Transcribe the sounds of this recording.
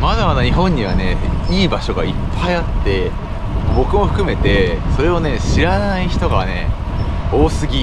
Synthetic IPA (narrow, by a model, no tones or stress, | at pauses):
mad̪amad̪aɲ̟iɦõ̞ɲ̟ːiβ̞ane̞iːbaɕo̞ɡaipʰːaiat̪ːe̞ | mobo̞kɯ̟mo̞ɸɯ̟̥kɯ̟me̞t̪e̞so̞ɾe̞o̞ne̞ɕiɾanaiçi̥t̪o̞ɡane̞̰ | o̞ːsɨɡʲi